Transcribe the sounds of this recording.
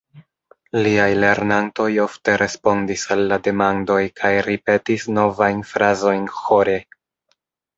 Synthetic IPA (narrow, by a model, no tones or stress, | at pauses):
liajle̞ɾnanto̞jo̞fte̞ɾʔe̞spo̞ndisalːade̞mando̞jkʰajɾipe̞tisno̞vajnfɾazo̞jnxo̞ɾe